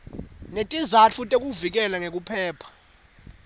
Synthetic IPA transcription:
netʼizat͡fʰutʼek̬ʼuvik̬ɛlaŋek̬upʰɛːpʰḁ

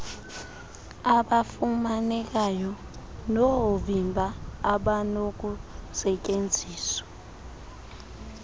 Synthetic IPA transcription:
aɓafumanɛk̬ajɔ | noovimbʱaːɓanok̬usɛcʼend͡zʱiːswḁ

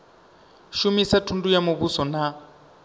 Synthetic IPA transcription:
ʃumisatʰundujamoβusɔna

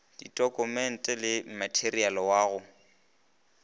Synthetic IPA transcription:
d̥itʼɔkʼʊmɛn̩tʼɛlɪm̩matʰerialɔwaːɣʊ

